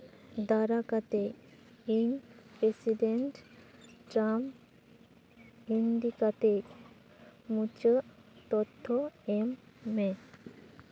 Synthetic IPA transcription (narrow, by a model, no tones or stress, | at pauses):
d̪aɾakat̪ekiŋpɾesiɖeɳʈʈɾam | ind̪ikat̪ek | mut͡ɕət̪ɔt̪ʰːɔemːe